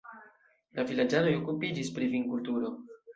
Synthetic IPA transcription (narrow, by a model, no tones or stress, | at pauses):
lʔavilad͡ʒano̞jo̞kupid͡ʒispɾiviŋkultuɾo̞